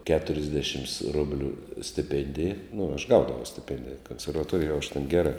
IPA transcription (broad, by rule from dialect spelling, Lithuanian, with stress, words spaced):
kʲɛtʊrʲɪzʲˈdʲæːʃʲɪms ˈrʊbʲlʲuː sʲtʲɪˈpʲeːnʲdʲɪjɛ nʊ ɐʃ ˈɡɐʊdɐʋɐʊ sʲtʲɪˈpʲɛnʲdʲɪjɛ koːnʲsʲɛrʋɐˈtoːrʲɪjoːj jɛʊ ɐʃ tʲɛn ˈɡʲæːrɑː